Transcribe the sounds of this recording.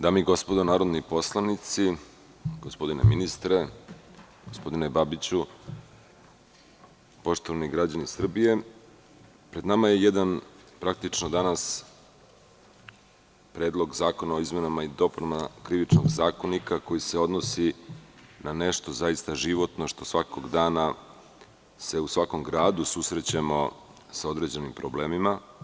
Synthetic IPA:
d̪aːmiɡo̞spo̞d̪onaːɾod̪nipo̞slˠanit̪si | ɡ̥ospo̞d̪inḛminist̪ɾe | ɡ̥ospo̞d̪inebabit͡ɕu | po̞ʃt̪oʋaniɡɾad͡ʑanisr̩bije̞ | pɾed̪namaje̞jed̪anpɾak̚t̪it͡ʃnod̪anas | pɾe̞ːd̪lˠo̞ɡzaːkonao̞izme̞namaid̪o̞ponamakɾiʋit͡ʃnoɡzaːko̞nikako̞jiseo̞d̪no̞si | nane̞ʃt̪o̞zaist̪aʒiʋo̞t̪no̞ʃt̪o̞sʋako̞ɡd̪aːna | se̞usʋako̞mɡɾaːd̪ususɾe̞t͡ɕamo̞ | sao̞d̪ɾe̞d͡ʑe̞nimpɾoble̞ːmima

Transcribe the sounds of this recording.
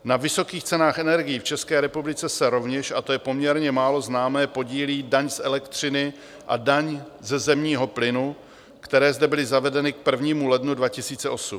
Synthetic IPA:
navɪso̞kiːxt͡sɛnaːxɛnɛɾɡɪjift͡ʃɛskɛːɾɛpublɪt͡sɛsɛɾo̞vɲɛʃat̪o̞jɛpo̞mɲɛɾɲɛmaːlo̞znaːmɛːpo̞ɟiːlidaɲsʔɛlɛkt̪r̝̥ɪnɪ | ʔa̰daɲ | zɛzɛmɲiːɦo̞plɪnu | kt̪ɛɾɛːzdɛbɪlɪzavɛdɛnɪk̚pr̩vɲiːmulɛdnudvacɪsiːt͡sɛʔo̞sum

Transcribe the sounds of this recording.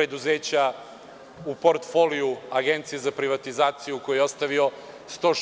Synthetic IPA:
ed̪uzeːt͡ɕa | upo̞ɾt̪fo̞ːliuaɡent̪sijezapɾiʋat̪izaːt̪sijuko̞jujɛo̞st̪aʋio̞ | st̪o̞ː

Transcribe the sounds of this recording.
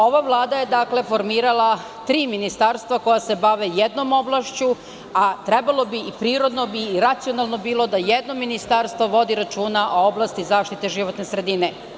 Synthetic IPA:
o̞ʋaʋlˠaːd̪aje̞d̪akle̞fo̞ɾmiːɾalˠa | t̪ɾiːminist̪aɾst̪ʋako̞jase̞baʋe̞jed̪no̞ːmo̞blˠaʃt͡ɕu | at̪ɾebalˠo̞biːpɾiːɾo̞d̪no̞biːɾat̪sio̞nalˠno̞biːlˠo̞d̪ajed̪no̞minist̪aɾst̪ʋo̞ʋo̞d̪iɾat͡ʃuːnaʔooblˠast̪izaːʃt̪it̪e̞ʒiʋo̞t̪nesɾe̞d̪ine

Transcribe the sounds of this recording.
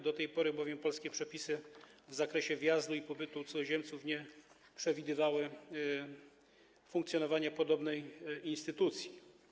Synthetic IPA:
d̪ɔt̪ɛjpɔɾɘbɔvʲjɛmpɔlskʲɛpʂɛpʲisɘvzakɾɛɕɛvʲjazd̪uipɔbɘt̪ut̪sɔʑɛmt̪sufɲɛ | pʂɛvʲid̪ɘvawɘ | fũŋkt̪sʲjɔnɔvaɲapɔd̪ɔbnɛjinst̪ɘt̪ut̪sʲji

